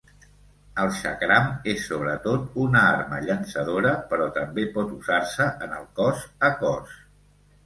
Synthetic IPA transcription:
əlˠʃə̰kɾamesːoβ̞ɾət̪ot̪unəarməʎənsəð̞oɾəpəɾɔt̪əmbepɔt̪uzarsəʔənə̰lˠkɔzəkɔs

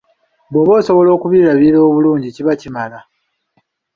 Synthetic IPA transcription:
bweβo̞ːso̞βo̞lo̞ːkuβiɾaβiɾo̞ːβuluːɲɟiciβacimala

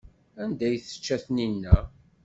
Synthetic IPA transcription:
ænd̪æjθə̥t͡ʃːæθninːæ

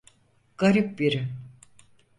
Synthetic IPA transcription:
ɡ̥aɾip̚biɾɪ

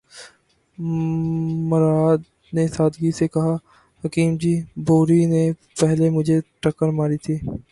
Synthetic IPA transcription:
mʊɾaːd̪ | nesaːd̪ɡisekɐɦa | hɐkiːmd͡ʒiːboːɾinepɛɦlemʊd͡ʒʱeʈəkəɾmaːɾit̪ʰiː

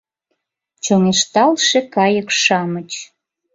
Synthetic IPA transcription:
t͡ɕoŋeʃt̪ɑlʃekɑjəkʃɑmət͡ɕ

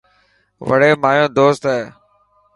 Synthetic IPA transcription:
ʋə̰ɽeːmaːjõːd̪oːst̪ɦɛː

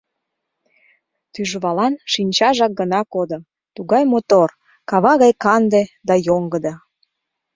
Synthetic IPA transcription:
t̪yʒβɑlɑnʃinʲt͡ɕɑʒɑk̚ɡənɑkod̪ə̆ | t̪uɣɑjmot̪or | kɑβɑɣɑjkɑnd̪ed̪ɑjoŋɡəd̪ɑ

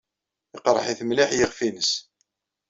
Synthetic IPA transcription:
iqɾˤə̰ħiθəmliħjəʁfinəs

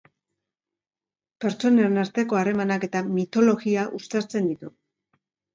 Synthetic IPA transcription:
pe̞ɾt͡ʃo̞neonaɾt̪e̞ko̞aɾe̞manake̞t̪amit̪o̞lo̞ɣiaʔust̪eɾt͡se̞nd̪it̪u

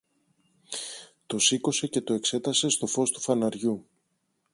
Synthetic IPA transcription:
t̪o̞siko̞se̞ce̞t̪o̞e̞kse̞t̪ɐse̞st̪o̞fo̞st̪u̥fɐnɐɾʝu

